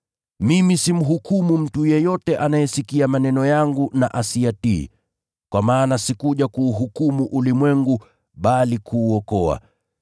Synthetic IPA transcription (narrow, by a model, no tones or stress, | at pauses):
mimisim̩ɦukumum̩tujɛjɔtɛʔanajɛsikiamanɛnɔjaŋɡunaʔasiatḭː | kwamaːnasikuʄakuːɦukumuʔulimwɛŋɡu | ɓalikʰuːɔkɔa̰